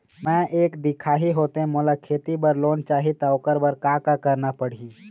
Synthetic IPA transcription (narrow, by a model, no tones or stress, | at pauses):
mɛ̃ʔeːkd̪ɪkʰaːɦiɦoːt̪eɦẽmʊlakʰeːt̪ibəɾloːnt͡ʃaːɦit̪aokəɾbəɾkãkakəɾnapəɽ̤iː